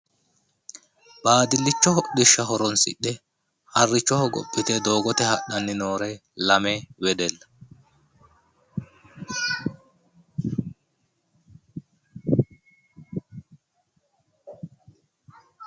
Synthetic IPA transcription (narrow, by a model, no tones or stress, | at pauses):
baːd̪ɪlːɪt͡ʃːɔɦɔd̪ɪʃːɐɦɔɾɔnsɪ̰ɗːɛ | hɐrːɪt͡ʃːɔhɔɡɔ̰pʼːɪt̪ɛd̪o̞ːɡɔt̪ɛhɐɗɐnːɪno̞ːɾɛlɐmɛwɛd̪ɛlːɐ